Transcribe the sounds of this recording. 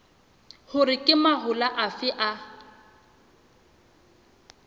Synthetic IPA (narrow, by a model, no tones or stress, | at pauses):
hʊrɪkʼɪmaɦʊlaʔafɪʔa